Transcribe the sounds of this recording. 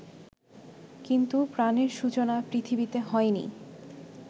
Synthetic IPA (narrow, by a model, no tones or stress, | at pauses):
kint̪upɾaneɾʃut͡ɕonapɾit̪ʰibit̪eɦɔenḭ